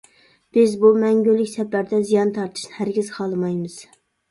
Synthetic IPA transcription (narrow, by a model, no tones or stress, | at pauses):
b̥ɪzbumɛŋɡʲylːɪkʲsɛpæɾd̪ɛzijɑnt̪ʰɑɾt̪ʰɨ̥ʃnɪhæɾɡʲiz̥qʰɑlˠɨmɑjmɨz̥